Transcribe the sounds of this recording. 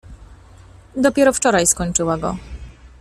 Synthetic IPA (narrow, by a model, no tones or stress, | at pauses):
d̪ɔpʲjɛɾɔft͡ʂɔɾajskɔɲt͡ʂɘwaɡɔ̰